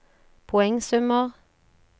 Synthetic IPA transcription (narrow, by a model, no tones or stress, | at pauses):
pʰʊɛŋsɔməʁ